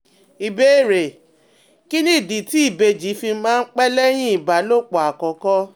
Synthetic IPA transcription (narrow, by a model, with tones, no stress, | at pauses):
i˨be˦˨ɾe˨ | ki˦nĩ˦i˦˨di˨ti˦i˦˨be˧d͡ʒi˨˦fi˧mãː˦˧n̩˦k͡pɛ˦lɛ˦j̃ĩ˦i˨ba˨˦lo˦k͡pɔ˨a˨kɔ̃˨˦kɔ˦